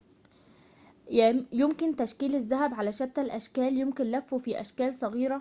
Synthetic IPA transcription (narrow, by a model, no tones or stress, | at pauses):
jjʊmkɪnt̪aʃkiːlɪzːaɦæbʕalæʃat̪ːalʔaʃkæːljʊmkɪnlæfːufiʔæ̰ʃkæːlsˤɑɣiːɾa